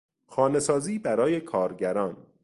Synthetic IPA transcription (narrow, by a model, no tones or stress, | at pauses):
xɒːne̞sɒːziːbæɾɒːje̞kʰɒːɾɟæɾɒːn